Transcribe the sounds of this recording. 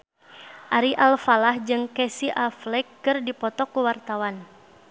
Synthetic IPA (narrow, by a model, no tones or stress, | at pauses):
ʔaɾiʔalfalahd͡ʒɨŋkɛsiʔaflɛkːɨrdipɔt̪ɔkuwart̪awan